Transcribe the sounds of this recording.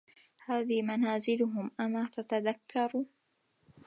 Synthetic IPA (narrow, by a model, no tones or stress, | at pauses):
haːðiːmanaːzɪlʊɦʊmʔamaːt̪at̪aðakʰːɑɾˤuː